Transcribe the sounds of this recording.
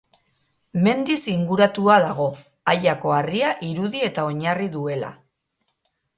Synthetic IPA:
me̞nd̪isiŋɡuɾat̪uað̞aɣ̞o̞ | aʎako̞ariaʔiɾuðie̞t̪ao̞ɲariðue̞la̰

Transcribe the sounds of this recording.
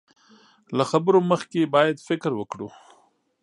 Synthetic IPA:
laxabɾoməxkebɑːjad̪fɪkɾwəkɽu

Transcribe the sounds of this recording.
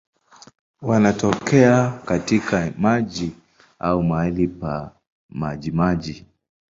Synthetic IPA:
wanatɔkɛakatikamaʄi | aumaɛlipa | maʄimaʄi

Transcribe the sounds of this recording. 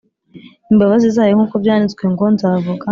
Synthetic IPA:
imbaβazizaːjoŋuːkobjaːnit͡sɡweŋɡo̞nzaːvuɡa

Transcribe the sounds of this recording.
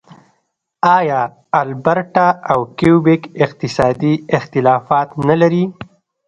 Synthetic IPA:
ɑjɑ | albaɾʈaawkiubɪkɪq̚t̪ɪsɑd̪iɪxt̪ɪlɑfɑt̪nalaɾi

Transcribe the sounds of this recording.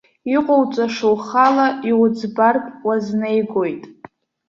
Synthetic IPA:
iqʷʼowt͡sʷʼaʂowχalaʔiwʊd͡zbarkʼwaznejɡojtʼ

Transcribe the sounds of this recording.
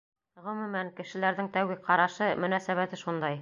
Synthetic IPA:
ʁɵ̆mɵ̆mæŋkɘ̆ʃɘ̆læɾðɘŋt̪æwɡɘqɑɾɑʃɤmɵ̆næsæβæt̪ɘʃund̪ɑj

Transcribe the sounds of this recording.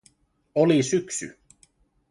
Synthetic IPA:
ɔlisʏksʏ̰

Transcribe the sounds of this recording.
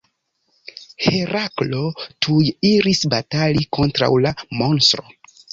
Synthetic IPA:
heɾaklo̞tʰujiɾisbataliko̞ntɾa̰wlamonstɾo̰

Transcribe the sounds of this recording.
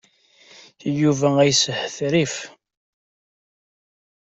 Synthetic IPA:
juvææjsəħθɾif

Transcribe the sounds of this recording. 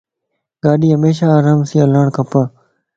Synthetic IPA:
ɡaːɗiːɦəmeːʃaːɾaːmsĩːəlaːɳkʰəpaː

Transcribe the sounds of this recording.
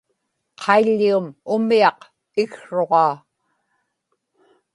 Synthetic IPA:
qʰɑiʎːiumʊmiɑq | ɪɣʂo̞ʁɑː

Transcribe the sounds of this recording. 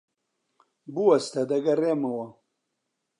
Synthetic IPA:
buwɐst̪ɐd̪ɐɡɐreːmɐwɐ

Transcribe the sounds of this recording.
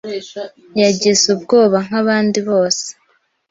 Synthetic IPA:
jaɟizub̚ɡo̞ːβaŋ̥aβaːndiβo̞ːse̥

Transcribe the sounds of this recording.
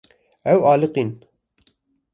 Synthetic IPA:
ɛwɑːlɨqin

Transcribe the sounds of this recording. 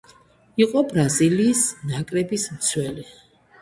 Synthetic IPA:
iqʼɔbɾaziliːsnakʼɾɛbismt̪sʰwɛli

